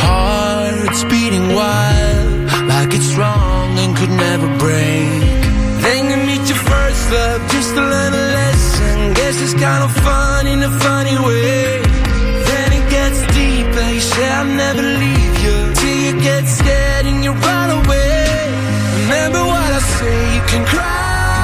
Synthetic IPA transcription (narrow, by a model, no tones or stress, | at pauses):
hɑ | ɾɨtsb̥iɾɪ̃ŋwaɪllˠd | laɪkɨtsɹɔŋɨ̃nkʰɨdⁿnɛvə˞bɹẽɪ̃nðɨ̃njɨmit͡ʃɨfɜ˞sʌp̚d̥d͡ʒʌstʰəlɜ̃˞nəlɛsɨ̃nɡɛsɨzkãɪ̃ndəfʌ̃ | nɨ̃nɨfʌñiwe | ðɨ̃ñɨt̚ɡ̥ɛtsd̥i | pɨ | ʃɛaɪnɛvə˞livjɨ | tʰɪlˠjɨɡɛtsɡ̥ɛ | ɾɪ̃ŋjɨɹaɪɾəweɪ | ɹɨmɛ̃mbə˞wʌɾaɪseɪjɨkʰɨ̃nkʰɹ̥a